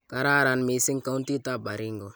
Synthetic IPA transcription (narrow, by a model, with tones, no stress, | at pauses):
ka˨ɾa˦ɾa˨nmi˨si˦ŋka˦u˦nti˦ta˦˨ba˨ɾi˦ŋɡo˨